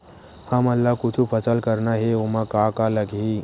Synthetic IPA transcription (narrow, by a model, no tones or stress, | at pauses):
həməlːakʊt͡ʃʰupʰəsəlkəɾnaɦeomakakaləɡi